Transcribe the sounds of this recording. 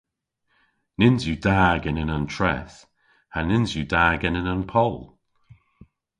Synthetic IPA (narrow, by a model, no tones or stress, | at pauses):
nɪnzjudaːɡɛnənəntʰɹɛ̰θ | hanɪnzjudaːɡɛnənənpʰɔlˠ